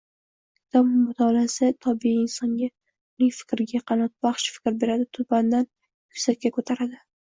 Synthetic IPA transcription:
t̪ʰɒmmːʊt̪ʰɒlasɪt̪ʰɒbiiɪnsɒŋɡʲa | ʊnɪŋʲfɪ̥kʲɾɪɡʲaqʰɑnɒt̪̚baχʃfɪ̥kʲɾbe̞ɾad̪ɪt̪ʰʊband̪an | jʊ̥sakʲːakʰot̪ʰaɾad̪ɪ

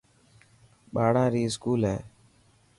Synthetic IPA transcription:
baːɽãːɾiːskuːlɛ

